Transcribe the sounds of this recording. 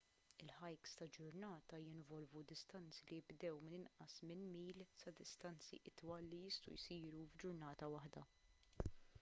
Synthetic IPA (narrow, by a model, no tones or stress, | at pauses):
ɪlħɐjkst̪ɐd͡ʒʊɾnɐːt̪ɐjɪnvɔlvud̪ɪst̪ɐnt͡silijɪbd̪ɛwmɪnɪnʔɐsmɪnmiːlsɐd̪ɪst̪ɐnt͡sḭʔɪt̪wɐlːijɪst̪ṵjsiːɾuvd͡ʒʊɾnɐːt̪ɐwɐħd̪ɐ